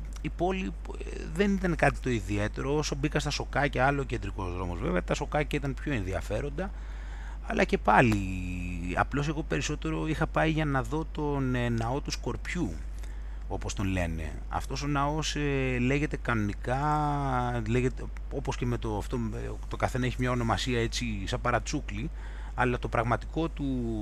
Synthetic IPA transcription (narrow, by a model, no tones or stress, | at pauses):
ipo̞li | ðe̞nit̪ɐnkɐt̪i̥t̪o̞iðie̞t̪e̞ɾo̞osobikɐst̪ɐso̞kɐceɐlooːcend̪ɾiko̞zðɾo̞mo̞zve̞veɐt̪ɐso̞kɐcɐit̪ɐnpço̞enðiɐfe̞ɾo̞nd̪ɐ | ɐlɐce̞pɐli | ɐ̰plo̞se̞ɣo̞pe̞ɾiso̞t̪e̞ɾo̞ixɐpɐiʝɐnɐðo̞t̪o̞nnɐo̞t̪usko̞ɾpçu | o̞po̞st̪o̞nle̞ne̞̰ | ɐ̰ft̪o̞so̞nɐo̞sele̞ʝe̞t̪e̞kɐno̞nikɐ | le̞ʝe̞t̪e | o̞po̞sce̞me̞t̪oft̪o | t̪o̞kɐθe̞nɐeçimɲɐo̞no̞mɐsiɐe̞t͡sisɐpɐɾɐt͡sukli | ɐlɐt̪o̞pɾɐɣmɐt̪iko̞t̪u